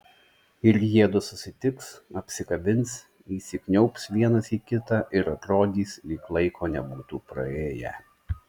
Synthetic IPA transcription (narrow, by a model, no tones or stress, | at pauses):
ɪɾjiɛd̪ʊsʊsʲɪt̪ʲɪksɐpʲsʲɪkɐbʲɪnʲs | iːsʲɪknʲɛʊpsʋʲiɛnɐsiːkʲɪt̪ɑʔɪɾɐt̪ɾoːd̪ʲiːslʲiːklˠɐɪkʰoːnʲɛbuːt̪uːpɾɐ̰eːjɛ̰